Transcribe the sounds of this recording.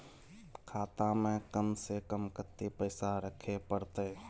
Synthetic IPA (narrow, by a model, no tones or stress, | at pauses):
kʰaːt̪ãmẽkəmsekəmkət̪ːipəɪsaɾəkʰepəɾt̪e